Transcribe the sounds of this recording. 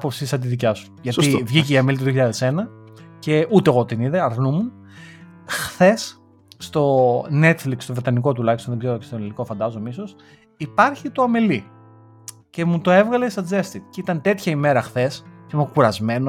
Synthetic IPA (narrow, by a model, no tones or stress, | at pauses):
popsisɐnt̪iðicɐsu̥ʝɐt̪ivʝiceiɐmelit̪oðioçiʎɐðese̞nɐce̞ʔut̪eɣo̞t̪iniðeɐɾnumun | xθe̞sː | t̪o̞ne̞t̪flikst̪o̞vɾet̪ɐniko̞t̪ulɐçist̪onðeɡzeɾocest̪oniliko̞fɐnd̪ɐzoemiso̞s | ipɐɾçit̪oɐmeli | ce̞mut̪o̞e̞vɣɐlest̪ɐd͡ze̞st̪it̪ceit̪ɐnt̪e̞t̪çɐime̞ɾɐxθe̞scenokuɾɐzme̞no